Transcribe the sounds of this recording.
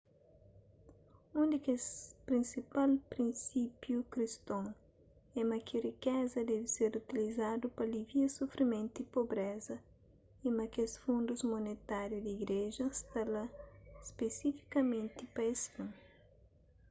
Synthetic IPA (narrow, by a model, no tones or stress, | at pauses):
ũnd̪ikespɾĩnsipalpɾĩnsipjukɾist̪õŋ | ɛmɐkʰɪrikɛzɐd̪ɛviseɾut̪ilizad̪upɐliviɐsofɾimẽnt̪ipobɾɛzɐ | imɐkesfũnd̪uzmonet̪aɾjud̪iɡɾeʒɐst̪alɐspesifi̥kɐmẽnt̪ipɐesfũŋ